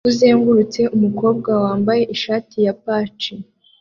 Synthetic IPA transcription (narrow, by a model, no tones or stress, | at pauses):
uze̞ːŋɡuɾut͡se̞ʔumuko̞ːb̚ɡawaːmbaje̞ʔiʃaːtijapaːt͡ʃi